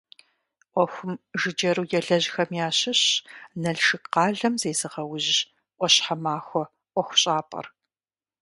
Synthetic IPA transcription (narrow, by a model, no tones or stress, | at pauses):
ʔʷɔxʷʊmʒɨd͡ʒɐɾuːjɛɮɐʑxɐmjaːɕɪɕnɐɮʃɨkqɑːɮɐmzejzɨʁɐwʊʑ | ʔʷɔɕħamaːxʷɔ | ʔʷɔxʷʊɕʼaːpʼɐ̰r